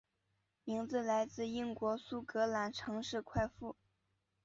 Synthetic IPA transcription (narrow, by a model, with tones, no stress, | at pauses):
mi˧˥ŋt͡sɹ̩˥˧la˧˥ɪt͡sɹ̩˥˧i˥˩ŋkwɔ˧˥su˥˩kɤ˧˥la˧˥nʈ͡ʂʰɤ˧˥ŋʂɻ̩˥˧kʰwa˥˧ɪfu˥˩